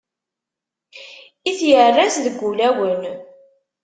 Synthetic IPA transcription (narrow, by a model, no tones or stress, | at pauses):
iθjərːæsðəɡʷːulæwən